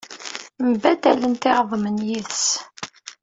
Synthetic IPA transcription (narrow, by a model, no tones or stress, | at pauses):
mbæd̪ælənt̪ɪʁðˤmənjiθs